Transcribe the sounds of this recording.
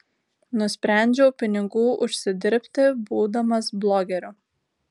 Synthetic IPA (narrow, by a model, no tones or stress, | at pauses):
nʊsʲpʲɾʲæˑnʲd͡ʒʲɛʊpʲɪnʲɪɡuːʔʊʃʲsʲɪd̪ʲɪɾʲpʲt̪ʲɪbuːd̪ɐmɐsblˠoːɡʲɛɾʲʊ